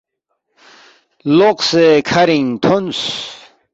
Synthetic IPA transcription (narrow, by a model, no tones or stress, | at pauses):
loqsekʰɐɾiŋt̪ʰons